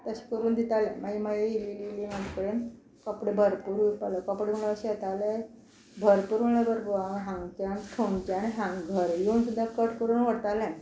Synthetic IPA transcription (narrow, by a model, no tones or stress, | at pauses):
t̪əɕi̥kəɾuːnd̪it̪alɛ̰̃maimaiilililimad͡ʑkəɽen | kəpɽẽbʱəɾpuːɾupaləkəpɽem̤əɭəəɕiat̪ale | bʱəɾpuːɾməɡləbʱəɾbuaɦãŋɡt͡ɕant̪ʰoŋɡt͡ɕanɦãŋɡɡʱəɾjoːnsud̪ʱːakəʈkəɾuːnʋəɽt̪alɛ̃